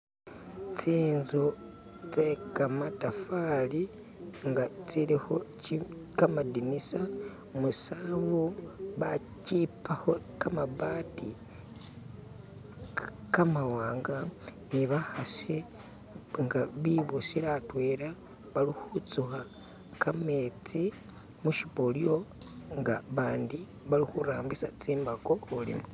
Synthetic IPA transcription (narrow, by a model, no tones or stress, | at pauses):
t͡siːnzo | t͡sekamatafali | ŋɡat͡siliho̞t͡ʃikamadinisa | musaβoβa | cipaho̞ | kamabaːti | kamawaːŋɡa | niβahasi | ŋɡaβiβosiɾatwe̞ːɾa | βalixut͡suxa | kamet͡si | muʃipoljo̞ | ŋɡaβaːndi | βalixuɾaːmbisat͡siːmbaɡohulḭmu